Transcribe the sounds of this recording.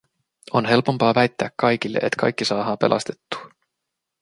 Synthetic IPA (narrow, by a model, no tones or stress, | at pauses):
o̞nɦe̞lpo̞mpɑːʋæjt̪ːæːkːɑjk̟ilːeʔet̪kʰɑ̰jkːisɑːɦɑːpe̞̰lʔɑ̰st̪e̞̥t̪ːu̥ː